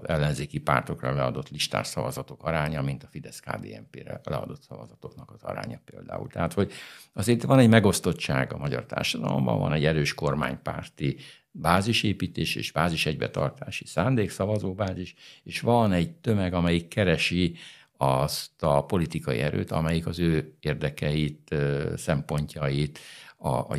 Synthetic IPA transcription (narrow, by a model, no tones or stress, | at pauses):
ɛlːɛnzeːkipa̰ːrt̪o̞krɒlɛɒd̪o̞t̪liʃt̪a̰ːrsɒvɒzɒt̪o̞kɒɾaːɲɒmint̪ɒfid̪ɛska̰ːb̪ḛːɛmpeːɾɛ̰lɛɒ̰d̪o̞t̪sɒvɒzɒt̪o̞knɒkɒzɒ̰ɾa̰ːɲɒpeːld̪a̰ːṵlt̪ɛɦaːt̪ho̞ɟɒzeːɾt̪ʋɒnɛɟmɛɡo̞st̪o̞t͡ʃːaːɡɒmɒɟɒ̰rt̪a̰ːrʃɒd̪ɒlo̞̰mbɒ̰ɱvɒ̰nɛɟɛɾøːʃko̞rma̰ːɲpaːrt̪i | baːziʃeːpiːt̪eːʃḛːʒbaːziʃɛɟbɛt̪ɒrt̪aːʃi̥saːnd̪eːksɒvɒzoːbaːziʃeːʃʋɒnɛɟt̪ø̞mɛɡɒmɛjikːɛɾɛʃi | ɒst̪ɒpo̞lit̪ikɒjḭɛɾø̰ːt̪ɒmɛjikɒzøːeːrd̪ɛkɛjit̪sɛmpo̞ɲcɒjit̪ɒ̰